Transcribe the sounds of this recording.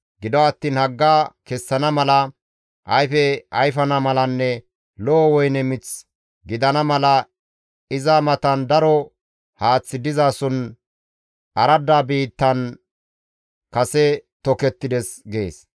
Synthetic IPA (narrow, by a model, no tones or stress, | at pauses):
ɡɪd̪ɔɐt̪ːiːnhɐɡːaːkɛsːɐnɐmɐlɐ | ʔɐjfɛɐjfɐnɐmɐlɐnːɛ | lɔːwɔjnɛmɪt͡s | ɡɪd̪ɐnɐmɐlɐ | ɪzamɐt̪ɐnd̪ɐɾɔ | haːt͡sːɪd̪ɪzaːsɔn | ɐɾɐd̪ːaːbiːt̪ːɐn | kɐsɛt̪ɔkɛt̪ːɪd̪ɛsɡe̞̰ːs